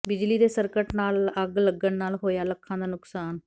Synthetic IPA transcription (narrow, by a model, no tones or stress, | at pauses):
bɪd͡ʒliːd̪eːsəɾkəʈnaːləɡləɡəɳnaːlɦoːjaːləkʰːãːd̪aːnʊksaːn